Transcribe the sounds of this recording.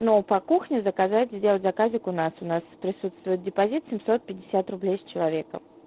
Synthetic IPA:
nopɐkuxnʲɪzəkazatʲzʲdʲelˠətʲzɐkazʲɪkʊnasʊnaspɾʲɪsut̪st̪vʊjɪt̪̚dʲɪpɐzʲit̪sʲɪmʲsot̪̚pʲɪdʲɪsʲat̪rʊblʲejsʲt͡ɕɪlˠɐvʲe̞kə̰

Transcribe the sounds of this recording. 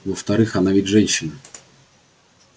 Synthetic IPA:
vəft̪ɐɾɨxɐnavʲitʲʐɛnʲɕːɪn

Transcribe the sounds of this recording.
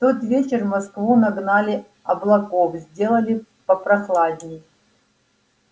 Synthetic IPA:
ft̪ot̪vʲet͡ɕɪrmɐskvunɐɡnalʲɪ | ɐblˠɐkofzʲdʲe̞lˠəlʲɪ | pɐpɾɐxlˠadʲnʲɪj

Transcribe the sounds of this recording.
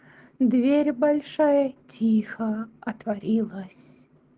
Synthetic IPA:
d̪vʲeɾʲbɐlʲʂajətʲʰixəɐt̪vɐɾʲilˠəsʲ

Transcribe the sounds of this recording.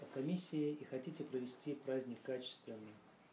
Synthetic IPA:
əkɐmʲisʲːɪɪixɐtʲitʲɪpɾəvʲɪsʲtʲipɾazʲnʲɪkːat͡ɕɪ̥st̪vʲɪnːɨj

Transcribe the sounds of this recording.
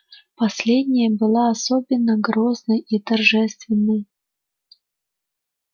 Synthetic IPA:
pɐsʲlʲed̪ʲnʲɪjəbɨlˠaɐsobʲɪnːəɡɾoznəjit̪ɐrʐɛst̪vʲɪnːəj

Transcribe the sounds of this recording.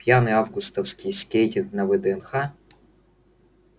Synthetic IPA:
pʲjanɨavɡʊst̪ɐfskʲɪjskʲejtʲɪnknɐvɛd̪ɛɛnxa

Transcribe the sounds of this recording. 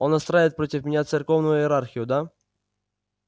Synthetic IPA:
onɐst̪ɾajvɪt̪̚pɾotʲɪfmʲɪnʲat̪sɨrkovnʊjʊɪɾarxʲɪjʊd̪a

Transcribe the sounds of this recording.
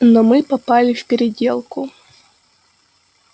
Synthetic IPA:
nɔmɨpɐpalʲɪfʲpʲɪɾʲɪdʲelˠkʊ

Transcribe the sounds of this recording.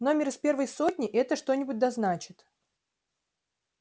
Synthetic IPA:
no̞mʲɪɾɨspʲe̞rvəjso̞tʲnʲɪʔɛt̪əʂt̪o̞nʲɪbʊt̚ʲd̪ɐznat͡ɕɪt̪

